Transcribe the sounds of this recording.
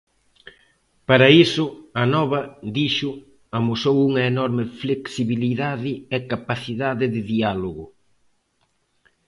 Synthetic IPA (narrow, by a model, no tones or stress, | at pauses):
paɾɐisʊɐnɔβɐd̪iʃʊ | ɐmusowuŋɐenɔɾmɪfleksiβiliðaðɪekapaθiðaðɪðɪðialoɣʊ